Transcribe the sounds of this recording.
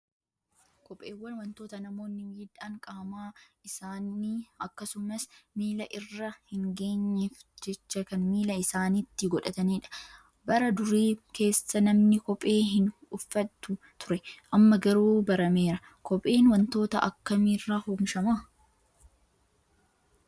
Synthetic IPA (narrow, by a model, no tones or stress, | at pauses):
kɔpʼeːwːɐnwɐnt̪oːt̪ɐnɐmo̞ːnːɪwjɪᶑaŋkʼaːmaːɪsaːniːɐkːɐsʊmɐsmiːlɐʔɪrːɐhɪŋɡe̞ːɲːefd͡ʒɛt͡ʃːɐkɐnmiːlɐɪsaːnit̪ːɪɡɔᶑɐt̪ɐniːᶑɐ̥ | bɐɾɐd̪ʊɾiːke̞ːsːɐnɐmnɪkɔpʼe̞ːɦɪnʊfːɐt̪ːʊ | t̪ʊɾɛʔɐmːɐɡɐɾuːbɐɾɐme̞ːɾɐ | kɔpʼe̞ːnwɐnt̪o̞ːt̪ɐ̰ʔɐ̰kːɐmiːrːaːhumʃɐma